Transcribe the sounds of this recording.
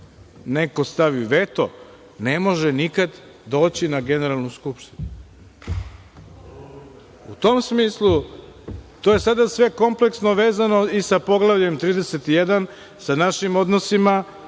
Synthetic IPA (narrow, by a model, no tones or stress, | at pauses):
ne̞ko̞st̪aʋiʋe̞t̪o̰ | nemo̞ʒenikad̪ | d̪o̞ːt͡ɕinaɡe̞ne̞ɾalˠnuskupʃt̪i̥nu | ut̪o̞msmiːslˠu | t̪o̞je̞sad̪asʋe̞ko̞mple̞ksno̞ʋeːzano̞isapo̞ɡlˠaʋʎe̞mt̪ɾiːd̪eset̪ijed̪an | sanaʃimo̞d̪no̞sima